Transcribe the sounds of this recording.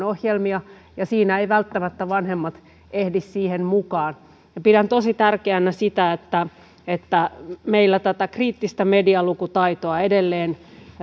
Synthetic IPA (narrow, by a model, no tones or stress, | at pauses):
ohjelmiɑ | jɑsiːnæeiʋælt̪ːæmæt̪ːæʋɑnhemːɑt̪ | ʔehdissiːhenmukɑːn | jɑpidænt̪osit̪ærkeænːæsit̪æet̪ːæ | et̪ːæmeilːæt̪æt̪ækriːt̪ːist̪æmediɑlukut̪ɑit̪oɑedelːeːn